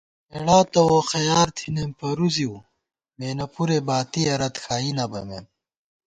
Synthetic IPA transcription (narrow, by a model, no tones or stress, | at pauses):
meɽaːt̪ɐwoxɐjaːɾt̪ʰinempɐɾuziw | meːnɐpuɾebaːt̪iɐɾɐt̪xaːinɐbɐmḛm